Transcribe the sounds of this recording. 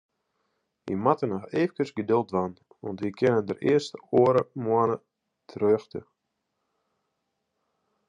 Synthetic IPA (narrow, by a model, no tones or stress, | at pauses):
ʋḭmatənɔeːfkəsɡədølˠtʋan | ʋɔ̰ntʋikʰɪnəndərɪ̰ərstəoəɾəmuənə | tʰrøːxtə̰